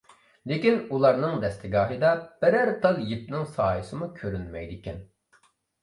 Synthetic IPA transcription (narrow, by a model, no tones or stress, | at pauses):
lekʲinulˠɑɾnɨŋd̪ɛst̪ʰɪɡɑːɦɨd̪ɑb̥ɪɾæɾt̪ʰɑlˠjip̚nɪŋsɑːjɨsɨmukʲʰøɾynmɛ̰jd̪ɪkʲʰɛn